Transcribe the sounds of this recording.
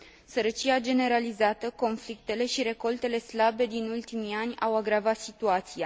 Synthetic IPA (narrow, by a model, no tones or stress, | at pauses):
səɾət͡ʃiad͡ʒe̞ne̞ɾalizat̪əko̞nflik̚t̪e̞le̞ʃiɾe̞ko̞lt̪e̞le̞slabe̞d̪inult̪imianʲawaɡɾavat̪sit̪uat̪sia